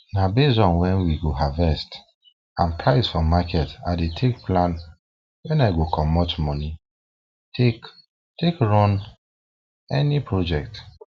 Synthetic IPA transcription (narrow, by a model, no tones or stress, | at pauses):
nabezɔ̃nwɛ̃nwiɡoɦavɛst | ãnpʰɹaɪsfɔmakɛta̰detʰekplãn | wɛ̃naɪɡokʰɔ̃mːɔt͡ʃmɔni | tʰek | tekɹɔ̃n | ɛnipʰɹod͡ʒɛk̚t